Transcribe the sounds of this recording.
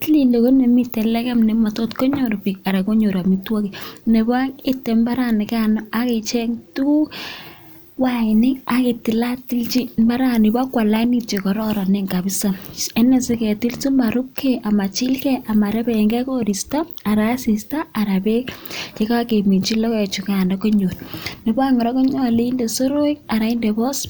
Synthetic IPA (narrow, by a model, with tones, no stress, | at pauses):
tli˨lo˨ko˦ne˨mi˦tːɛ˨lɛ˦kɛ˦mnɛma˨to˦tko˦ɲo˨ɾpi˨ka˨ɾa˨ko˦ɲo˨ɾa˨mitwo˦kine˨ba˦ŋɪ˦tːɛ˨mba˦ɾani˨ka˦nɔa˦ke˨t͡ʃɛ˦ŋtu˦ | wa˦ɪ˨nɪ˦a˨ke˨ti˨la˦ti˦lt͡ʃi˦mba˦ɾa˦nɪ˨ba˦kwa˨la˦ni˦t͡ʃe˨kɔ˨ɾɔ˦ɾa˨ne˦ŋka˨bi˦sa˨ɛ˦nɛ˨sɪ˦kɛ˨ti˦lti˦ma˨ɾu˦kʰːeʔa˨ma˨t͡ʃi˦lkɛ˦ʔa˨ma˨ɾɛ˦bɛ˨ŋɡɛ˦ko˦ɾi˨sta˦a˨ɾa˨˦si˨sta˦a˨ɾa˨be˦ke˦ka˦ke˨mi˨t͡ʃi˦lɔ˦ke˨t͡ʃu˨kanɔ˨ko˦ɲo˨tni˨ba˦ŋɔ˨ɾɔ˦ko˦ɲɔ˦˨le˦i˦nde˨so˦ɾo˦ika˨ɾa˨i˦nde˨bɔ˦s